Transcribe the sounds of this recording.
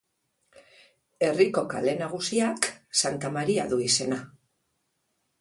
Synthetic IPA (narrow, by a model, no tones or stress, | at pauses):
e̞riko̞ka̰le̞naɣ̞usiaksant̪amaɾia̰ðuise̞na